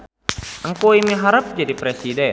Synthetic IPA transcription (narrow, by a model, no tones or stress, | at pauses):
ʔəŋkuimiɦaɾəp̚d͡ʒadipɾesidɛ